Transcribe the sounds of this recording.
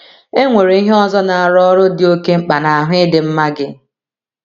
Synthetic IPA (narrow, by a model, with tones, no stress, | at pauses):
e˦ŋʷe˨ɾe˨˦i˦ɦe˦ɔ˦zɔ˦na˨a˨ɾɔ˦ɾʊ˦dɪ˨˦o˦ke˦ŋ͡m̩˦k͡pa˨na˨a˨ɦʊ˦ɪ˦dɪ˨m̩˦ma˦ɡɪ˦